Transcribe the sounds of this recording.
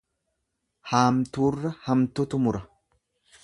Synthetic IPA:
haːmt̪uːrːɐhɐmt̪ʊt̪ʊmʊɾɐ

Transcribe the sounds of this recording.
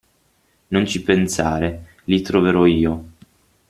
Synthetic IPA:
nont͡ʃipensaːɾe | lit̪ɾoveɾɔiːo

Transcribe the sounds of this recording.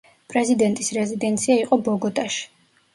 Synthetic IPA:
pʼɾɛzid̪ɛnt̪ʼisɾɛzid̪ɛnt̪sʰiaiqʼɔbɔɡɔt̪ʼaʃi̥

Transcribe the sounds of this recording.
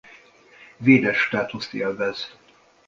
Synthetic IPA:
veːd̪ɛʃt̪aːt̪ust̪eːlvɛz̥

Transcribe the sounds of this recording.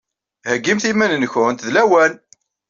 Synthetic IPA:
həɡːimθimænənçʊnt̪ðlæwæn

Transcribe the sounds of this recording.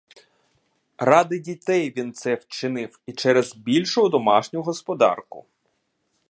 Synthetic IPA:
rɑd̪ɪdʲit̪ɛjʋʲint̪sɛwt͡ʃɪnɪwit͡ʃɛɾɛzbʲilʲʃʊʊd̪ɔmɑʃnʲʊɦɔspɔd̪ɑ̰rkʊ̰

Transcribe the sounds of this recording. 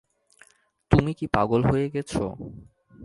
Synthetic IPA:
t̪umikipaɡolɦojeɡɛt͡ɕʰo̰

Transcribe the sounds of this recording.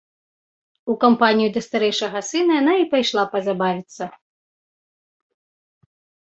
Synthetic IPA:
ukampanʲijud̪ɐst̪aɾɛjʂɐɣɐsɨnɐjan̪aipajʂlˠapɐzabavʲit̪sːɐ

